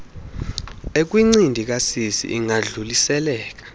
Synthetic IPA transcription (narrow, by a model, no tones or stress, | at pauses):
ek̬wiŋ͡ǀindʱik̬asisḭʔiŋaɮulisɛlɛːk̬ḁ